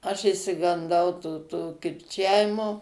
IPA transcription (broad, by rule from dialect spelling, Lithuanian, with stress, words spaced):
ɐʃ ɪʃʲsʲɪɡɐnˈdɐʊ tuː ˈtuː kʲɪrʲˈt͡ʃʲæːʋʲɪmoː